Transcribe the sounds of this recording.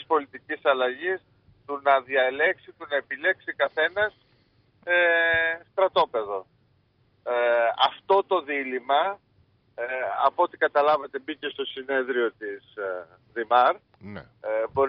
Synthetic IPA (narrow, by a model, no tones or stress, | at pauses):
ispo̞lit̪icisɐlɐʝis | t̪unɐðiɐle̞ksit̪unɐe̞pile̞ksikɐθe̞nɐs | est̪ɾɐt̪o̞pe̞ðo̞ | ɐft̪o̞t̪o̞ðilimɐ | ɐ̰po̞t̪ikɐt̪ɐlɐvet̪e̞bice̞st̪o̞sine̞ðɾio̞t̪is | ðimɐɾ | bo̞ɾ